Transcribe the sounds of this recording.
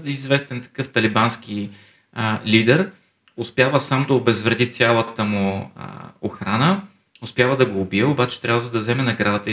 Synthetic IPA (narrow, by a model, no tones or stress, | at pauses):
d̪izvɛst̪ɛnt̪ɐ̥kɤft̪ɐlibansk̟i | lid̪ɛɾ | ʊspʲjavəsamd̪ɐobɛzvɾɛd̪it̪sʲjalˠət̪əmṵ | oxɾanə | ʊspʲjavəd̪ɐɡoːbiɛʊbat͡ʃɛ̥t̪ɾʲavəzɐd̪ɐzɛmɛnɐɡɾad̪ət̪ə